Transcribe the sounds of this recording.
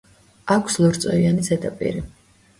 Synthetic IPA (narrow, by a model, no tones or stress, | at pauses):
akʷʰslˠɔɾt̪sʼɔianisɛt̪ʼapʼḭɾi